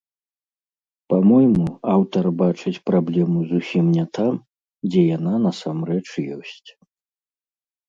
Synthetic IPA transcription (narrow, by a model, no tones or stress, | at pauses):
pamɔjmuawt̪ɐrbat͡ʂɨt͡sʲpɾablʲɛmuzusʲimnʲɛt̪am | d͡zʲɛjananɐsamrɛt͡ʂjɔ̰sʲt͡sʲ